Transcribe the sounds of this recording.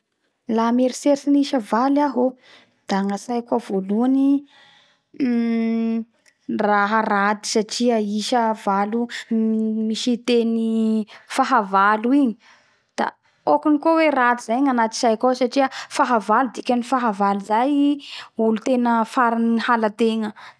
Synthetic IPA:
lameɾiseɾsiniʃəvalaɦo | d̪̥aŋasajkavoluani | raɦarad̪i̥saʈ͡ʂiəiʃəvalu | miʃit̪enifaɦavaluiɲi̥ | d̪̥a̰ | okinikowerad̪izajɲanat̪i̥sajkosaʈ͡ʂiəfaɦavalud̪ikʲanifaɦavalizajiulut̪enəfaɾinihalət̪eŋə

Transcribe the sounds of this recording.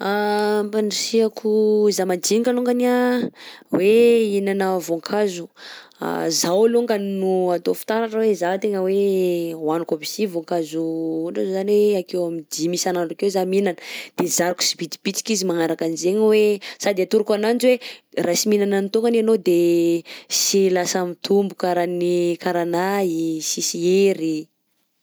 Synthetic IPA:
apanisiakʰuzamad͡ʒiɲikaluŋɡania | weinanavoŋkʰazu | a̰zawaluŋɡaninuat̪ofi̥t̪aɾaʈ͡ʂəwezat̪eŋəwewanukobisivoŋkazuuɖ͡ʐazozanweakewamid̪imisanaɳɖ͡ʐakezaminanəd̪̥ezaɾiku̥sibit̪i̥b̥it͡si̥kizimaŋaɾakanizeɲwesad̪iat̪uɾukananzwerasiminananit̪oŋɡananod̪e | silasamit̪ʰumbukaɾanikaɾanaisisieɾi

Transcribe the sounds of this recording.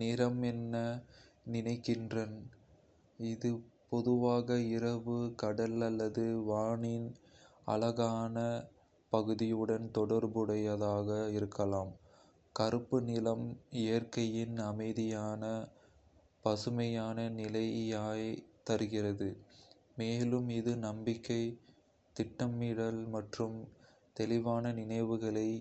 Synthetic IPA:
nɪɾɐmɛnːɐ | nɪnɐɪkːɪndrɐn | ɪðɯpɔðɯʋaːɣɐɪɾɐʋɯkɐɽɐlɐlːɐðɯʋaːɳɪn | ɐ̰lɐɣaːnɐ | pɐɣɯðɪjɯɽɐnt̪ɔɽɐɾbɯɽɐjɐðaːɣɐɪɾɯkːɐlaːm | kɐɾɯpːɯnɪlɐmɛjɐrkɐjɪnɐmɐɪðɪjaːnɐ | pɐsɯmɐjaːnɐnɪlɐjjaːjt̪ɐɾɯɣɪrɐðɯ | meːlɯmɪðɯnɐmbɪkːɐɪ | t̪ɪʈːɐmiːɽɐlmɐʈrɯm | t̪ɛlɪʋaːnɐnɪnɐɪʋɯɣɐɭɐɪ

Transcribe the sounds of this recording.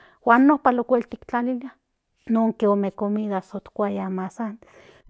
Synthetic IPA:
waːnːohpalokʷelt̪ikt͡ɬalila | noŋkeomekomiðasot̪kʷajamasan

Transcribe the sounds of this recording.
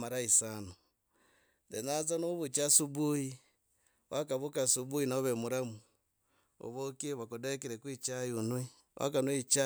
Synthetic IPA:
maɾaisano | denat͡sanoβut͡ʃasubuji | wakaβukasubuinaoβemuɾamu | o̰βokiβakodekiɾekwit͡ʃajunwi | wʔa̰kanwit͡ʃa

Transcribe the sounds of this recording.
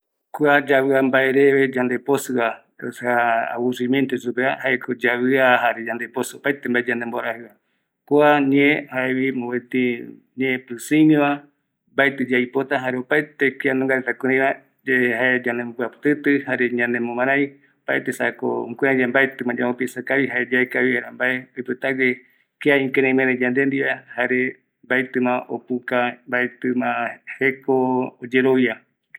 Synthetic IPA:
kuad͡ʒawɨambaeɾeβed͡ʒand̪eposɨakosaa̰wuɾiment̪esupeahaekʰod͡ʒawɨaɦaɾed͡ʒand̪eposɨopaet̪embaed͡ʒand̪emboaɾahɨβa | kuaɲẽhaewimowet̪i | ɲẽpɾɨsiniβa | mbaet̪ɨd͡ʒajpot̪aɦaɾeopaet̪ekʷianõŋɡaɾet̪akuɾĩβa | d͡ʒehaed͡ʒanempɨapɨ̥t̪ɨt̪ɨhaɾeɲãnemõmãɾãj | opa̰et̪esa̰ko̰kʷead͡ʒambaet̪ɨmãd͡ʒaõpisakaβiɦaed͡ʒaekaβieɾambaeojpɨt̪aɡe | keaĩŋkeɾẽmẽɾed͡ʒãnd̪end̪iβahaɾe | mbat̪ɨmãʔopukambaet̪ɨmãhekoːd͡ʒeɾowia

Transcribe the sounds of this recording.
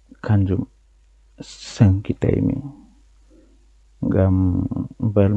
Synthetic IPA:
kʰand͡ʒum | səŋkita̰jmḭ | ɡam | bəl

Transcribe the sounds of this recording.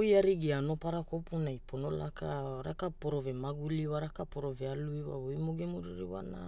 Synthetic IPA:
jaɾiɡiano̞paɾakopunajponola̰kaɾakapoɾovemaɡuliwaɾakapoɾovealuiwa̰ojmoɡemuɾiɾiwa̰na̰

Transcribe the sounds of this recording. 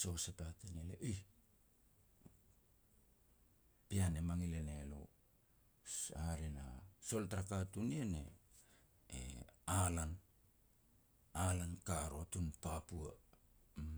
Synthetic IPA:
so̞sepatenielḛʔi | pianemaŋilenelo̰ | aɾena̰so̞ltaɾakatunienḛ | ḛalan | alankaɾo̞tunpapua

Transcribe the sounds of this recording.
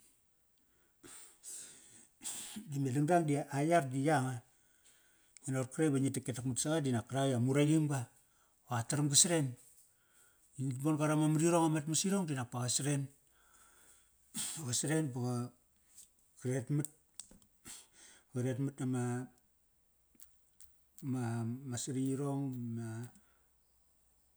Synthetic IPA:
dimedaŋdaŋdiaajardijaŋa | ŋinarkɾajbaɲitaketakmutsaɡadinakːaɾajamuɾajimɡa | oataɾamɡasɾe̞n | ibonɡaɾamamaɾiɾoŋamatmasiɾoŋdinak̚paɣasɾe̞n | aɡasɾe̞nbaɡa | kiɾetmut̚ | ɡaɾetmɨtnama | mamasɾiɾo̞ŋma

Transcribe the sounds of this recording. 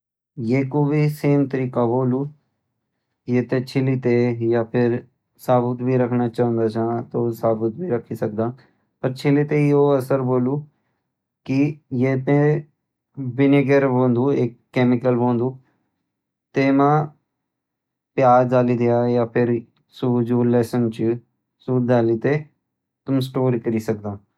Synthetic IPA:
jeːkoːbiːseːmt̪əɾiːkaːboːluː | jeːt̪eːt͡ʃʰɪliːt̪eːjaːpʰɪɾ | saːbət̪biːɾəkʰnaːt͡ʃaːə̃nd̪aːt͡ʃãːt̪oːsaːbət̪̚bʱiːɾəkʰːiːsək̚d̪aː | pəɾt͡ʃʰɪliːt̪eːoːəsəɾboːluː | kɪjeːt̪ẽː | bɪneɡəɾbõːnd̪uːɪkːɛːmɪkəlbõːnd̪uː | t̪eːmãː | pɪjaːɾd̪aːliːd̪ɪjaːjaːpʰɪɾ | suːd͡ʒuːlɛːsənt͡ʃ | suːd̪aːliːt̪eː | t̪ʊmsʈoːɾiːkəɾiːsək̚d̪ãː

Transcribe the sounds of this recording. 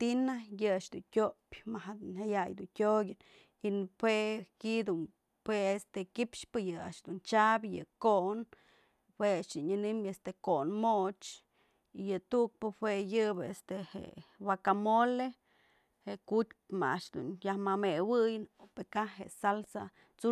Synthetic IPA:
t̪inajɨaʃd̪unkʲopʲmaɦad̪nhajajd̪untʲoɡʲɨn | inpwekid̪un | pweest̪ekipʂpɨjɨa̰ʔʃd̪unt͡ʃabjɨ̰kon | weat͡ʃd̪unɨnɨmest̪ekonmoʔt͡ʃ | ijɨt̪uk̚pɨhwejɨbest̪ehḛwakamole | heʔkut̪̚ʲpma̰aʔʂd̪ṵnjahmamewɨjɨnopekaɦḛsalsa̰ | t͡su

